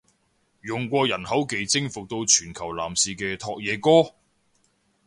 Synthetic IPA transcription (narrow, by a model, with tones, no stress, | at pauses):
jʊ˨ŋkʷɔː˧jɐ˨˩nhɐ˨˥wke˨˩jt͡sɪ˥ŋfʊ˨k̚t̪o˧wt͡ʃʰyː˨˩nkʰɐ˨˩wla̰ː˨˩msiː˨kɛː˧t̪ʰɔː˧k̚jɛː˨˧kɔː˥